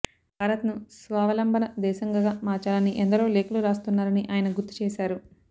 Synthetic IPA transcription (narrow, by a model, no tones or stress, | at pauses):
bʱaːɾɐt̪nusʋaːʋɐlɐmbʱɐnɐd̪ɛːʃɐŋɡaɡaːmaːɾt͡ʃaːlɐnːiʔɛnd̪ɐɾo̞ːleːkɐluɾaːst̪unːaːɾɐniʔaːjɐnɐɡuɾt̪ːi̥t͡ʃɛːʃaːɾu